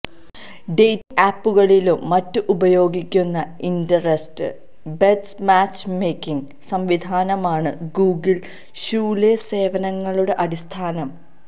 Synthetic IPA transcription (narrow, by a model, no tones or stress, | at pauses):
ɖejtːiʔaːpːuɣɐɭilumːɐtːɨʔubɐjo̞ːɡikʲːunːɐindɐrestɨ̰ | bedsmaːt͡ɕmejkʲːiŋ | sɐmʋid̪ʱaːnɐmaːɳɨɡuːɡil | ɕuːlese̞ːʋɐnɐŋːɐɭuɽe̞ʔɐɽist̪ʰaːnɐm